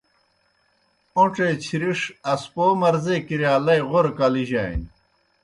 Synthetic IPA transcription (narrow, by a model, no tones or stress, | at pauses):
õʈ͡ʂet͡ɕʰiɾiʂɐspoːmɐɾzekiɾjaːlɐjʁoɾkɐliʑa̰ːj̰n